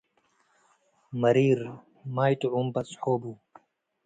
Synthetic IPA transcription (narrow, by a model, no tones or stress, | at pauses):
mɐɾiːɾ | maːjt̪oumpɐt͡shoːbuː